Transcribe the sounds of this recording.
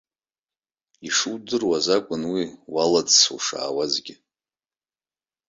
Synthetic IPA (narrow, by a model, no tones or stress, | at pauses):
iʂɨwdɨrwazakʷʼʊnwiwalad͡zsṵʂa̰ːwazɡʲɪ